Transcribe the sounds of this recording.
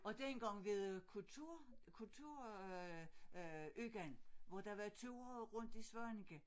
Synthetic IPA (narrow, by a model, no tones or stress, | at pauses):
ɒ̽d̥enɡ̥ɑ̈ŋ̰ʋe̝ðˠkʰut͡sʰuɐ̰kʰult͡sʰuɐ̰ | yɡ̥ænʋɒd̥ɑ̈ʋɑt͡sʰuɐʁɔ̽n̰d̥isʋɑnɡ̥ə